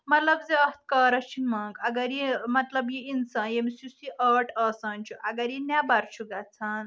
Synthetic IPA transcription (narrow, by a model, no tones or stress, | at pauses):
mɐt̪lɐbzeɐht̪̚ʰkəːɾɐt͡ʃʰinmɐŋɡɐɡɐɾimɐt̪lɐbjiinsãnjemsusiʔəʈʰɐsɐnʲt͡ʃʰuʔɐɡɐɾinjabɐɾt͡ʃʰuɡat͡sʰɐn